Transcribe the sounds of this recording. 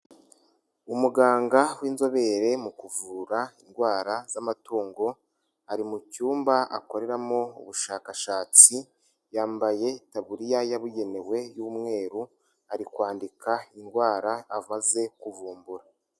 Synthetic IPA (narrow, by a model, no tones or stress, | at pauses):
umuɡaːŋɡawiːnzo̞βe̞ɾe̞mukuvuːɾainɡwaːɾazamatuːŋɡo̞ | aɾimucuːmbaa̰ko̞ɾe̞ɾamoṵβuʃaːkaʃaːt͡si | jaːmbaje̞taβuɾijajaβuje̞ne̞we̞jumŋe̞ːɾu | aɾikwaːndikainɡwaːɾaːmaze̞kuvuːmbuɾa